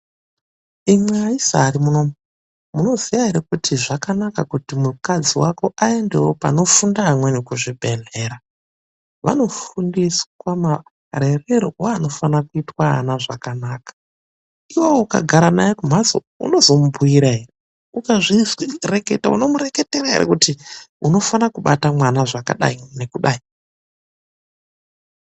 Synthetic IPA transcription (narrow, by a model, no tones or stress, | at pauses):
imweaisa̰ːɾimunom | muno̞zijaɦeɾekutʰiʐakanakakutimukad͡ziwako̞ʔae̞nde̞wopa̰no̞fundaːmwe̞nekuʐibʱe̞ne̞ːɾa | ʋa̰no̞fundiswama | ɾe̞reɾooano̞fanakuitwa̰naʐakanaːkḁ | iwowuka̰ɡʱaɾanajekum̤azo̰ | ṵno̞zo̞mubʱuiɾaɦere | ukaʐizwireketa̰ṵno̞muɾe̞ke̞teɾaɦḛʔḛkutiuno̞fanakuɓatamwanaʐaka̰ɗa̰ine̞kuɗai